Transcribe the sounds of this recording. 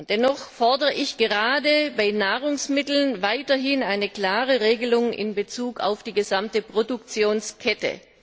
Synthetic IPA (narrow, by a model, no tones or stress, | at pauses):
nd̥ɛnɔχfɔɐdəʁəʔɪçɡ̥əʁaːdəbaɪnaːʁ̞ʊŋsmɪtl̩nvaɪtɐɦɪnaɪnəkl̥aːʁəʁeːɡəlʊŋɪ̰nbət͡suːka̰ʊfd̥iːɡəzamtəpʁ̥odʊk̚t͡sjoːnskʰɛtə̰